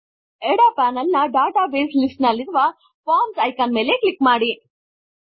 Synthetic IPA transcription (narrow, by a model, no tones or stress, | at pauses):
eɽaːpaːnɐlnɐɖaːʈaːbeːslisʈnɐlːiɾuʋɐ | paːmsɐjkanme̞ːleklikːmaːɽi